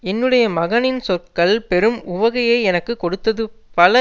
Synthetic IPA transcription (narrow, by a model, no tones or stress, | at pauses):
ɛnːɯɽɐjɐmɐɣɐnɪnsɔt̚kɐɭpɛɾɯmʊʋɐɣɐjeːɛnɐkːɯkːɔɽɯt̪ːɐðɯpɐlɐ